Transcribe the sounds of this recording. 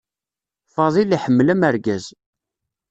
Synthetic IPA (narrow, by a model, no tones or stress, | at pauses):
fɑðˤiliħəmːlæmæɾɡæz